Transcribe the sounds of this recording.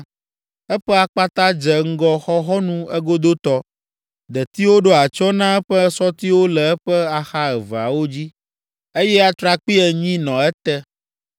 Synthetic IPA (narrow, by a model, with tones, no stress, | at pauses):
ɛ˦ɸɛ˦a˨k͡pa˦t̪ã˦d͡ʒɛ˨ŋ̩˦ɡɔ˦xɔ˦ɦɔ˦nũ˦ɛ˦ɡo˦d̪o˦t̪ɔ˦ | d̪ɛ˨t̪i˦wo˦ɖo˦a˨t͡ʃɔ˦nã˦ɛ˦ɸɛ˦sɔ˦t̪i˦wo˦lɛ˨ɛ˦ɸɛ˦a˨xa˦ɛ˨va̰˨wo˦d͡ʑi˦ | e˦jɛ˦a˦t̪ɾa˨k͡pi˦ɛ˨ɲĩ˦nɔ̃˨ɛ˦t̪ɛ˦